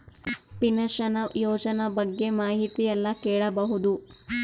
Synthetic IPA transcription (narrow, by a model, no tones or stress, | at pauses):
pinɐʃɐnɐjoːd͡ʒɐnɐbɐɡːe̞maːɦit̪ijɐlːɐkɛːɭɐbɐɦud̪u